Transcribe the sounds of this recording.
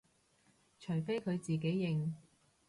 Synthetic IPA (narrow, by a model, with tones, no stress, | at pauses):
t͡ʃʰɵ˨˩jfe˥jkʰɵ˨˧ɥt͡siː˨˩k̬e˨˥jːɪ˨˧ŋ